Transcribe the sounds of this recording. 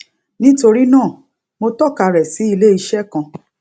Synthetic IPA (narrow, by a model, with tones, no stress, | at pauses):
nĩ˦to˧ɾi˦nãː˦˨ | mo˧tɔ˦˨ka˧˨ɾɛ˨si˨˦i˧le˦i˧ʃɛ˦kã˧˨